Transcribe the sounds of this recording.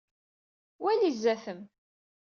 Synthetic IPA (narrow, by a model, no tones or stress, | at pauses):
wælizːæθəm